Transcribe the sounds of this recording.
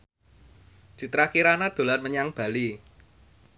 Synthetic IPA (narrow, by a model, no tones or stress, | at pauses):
d͡ʒ̥i̤t̪ɾakiɾanad̪̥o̤larməɲaŋb̥a̤li